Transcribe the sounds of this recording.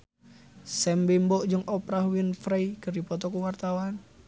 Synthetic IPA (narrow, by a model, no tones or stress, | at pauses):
sɛmbimbɔʔd͡ʒɨŋɔpɾahwinfɾajkɨrdipɔt̪ɔkuwart̪awan